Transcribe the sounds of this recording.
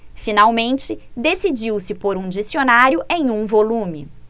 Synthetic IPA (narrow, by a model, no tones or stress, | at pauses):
finawmẽnt͡ʃɪd̪esid͡ʒiwsɪpoɾũd͡ʒisionaɾjʊʔẽj̃ũvolũmɪ̰